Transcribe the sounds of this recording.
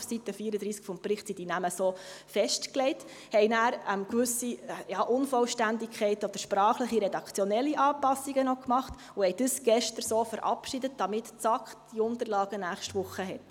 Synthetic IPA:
fsitəfiəɾəd̪ɾiːskfɔmpɾɪχtsidinæməsoːfɛʃtklɛɪt | hɛɪnæːɾəmkʋʏsijɑːʔʊnfɔlʃtændikʰχɛɪtod̥əɾʃpɾɑːχləχiɾɛdɑkʰt͡sjɔnɛlːiʔɑːpɑsiɡənɔkmɑχt | ʊhɛɪd̥əsɡ̥ɛʃtəɾsoːfəɾʔɑ̰pʃidət̚d̥ɑmɪtt͡sɑkχd̥iʊntərlɑːɡ̥ənæːχʃtʋʊχəɦɛt

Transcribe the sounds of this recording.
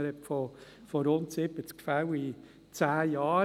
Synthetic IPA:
ɾɛtfɔ | fɔɾʊntsɪbət͡skfawi | t͡sæːjɑː

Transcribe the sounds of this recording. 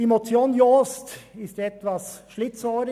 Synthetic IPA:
emot͡sjoːnjoːstɪst̪ɛt̪ʋɑsʃlɪt͡sɔːɾ

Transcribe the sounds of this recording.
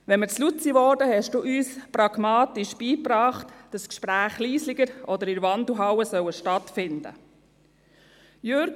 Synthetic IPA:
ʋɛnmət͡slut͡siʋɔɾd̥əhɛʃd̥uːʔyːsprɑɡmɑːtiʃb̥iːpɾɑːχtd̥ɑskʃpɾæːχliːslɪɡəɾʔɔdəɾɪɾʋɑnduɦɑwəsœwəʃtɑtfɪndə̰ | jøɾ

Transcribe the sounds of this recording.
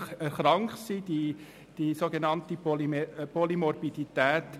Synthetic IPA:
χəχɾɑŋkχsid̥i | d̥isoɡenɑnt̪ipolipolimɔɾbid̥itɛːt

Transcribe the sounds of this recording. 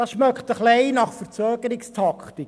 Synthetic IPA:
ɑsʃmœkχt̪əχlɛɪnɑχfəɾt͡søːɡ̥əɾɪkstʰɑkχtɪk

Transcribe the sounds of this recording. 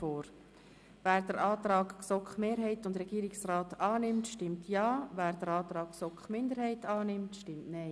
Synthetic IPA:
oːɾ | væːɾd̥əɾɑːt̪ɾɑːkksɔkχmeːɾɦɛɪtʊndɾɛɡ̥iːɾɪksrɑːtɑːnɪmtʃtɪmtʰjɑːvæːɾdəɾɑːt̪ɾɑːksɔkχmɪndəɾhɛɪtɑːnɪmtʃtɪmtnɛɪ

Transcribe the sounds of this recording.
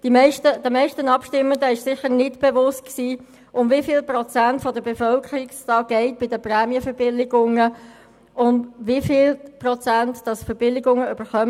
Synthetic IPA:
d̥imɛɪʃtəd̥əmɛɪʃtənɑpʃtɪmːəndəɪʃsɪχənɪtb̥evʊst̚ksiː | ʔʊmvifɪːlprɔt͡sæntfɔdəbefœlkʰəɾɪktɑːɡ̥ɛɪt̚b̥ɪdəprɛːmiəfəɾb̥ɪlɪɡʊŋə | ʊnʋifɪlprɔt͡sæntd̥ɑsfəb̥ɪlɪɡʊŋəyb̥əχœm

